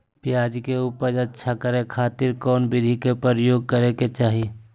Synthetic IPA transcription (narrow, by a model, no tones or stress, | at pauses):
pjaːd͡ʒkeuːpəɾɐtːʃʰakəɾekʰaːt̪ɪɾkɔːnbɪd̪ʱikepəɾjoːɡ̚kəɾẽket͡ʃaːɦie